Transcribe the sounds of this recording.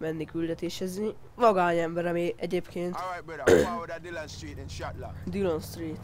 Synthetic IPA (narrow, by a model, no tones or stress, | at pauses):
mɛnːikyld̪ɛt̪eːʃɛzi | ʋɒɡaːɲɛmbɛɾɒmiʔɛɟeːpkeːnt̪ | d̪ilonst̪riːt̪